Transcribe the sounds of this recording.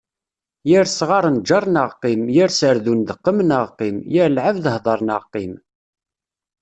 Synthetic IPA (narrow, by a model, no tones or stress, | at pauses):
jiɾsʁɑɾˤənd͡ʒɑɾˤnəʁqimjiɾsəɾðund̪əqːəmənəʁqimjɪɾlʕəvðəhðˤɑɾˤnəʁqim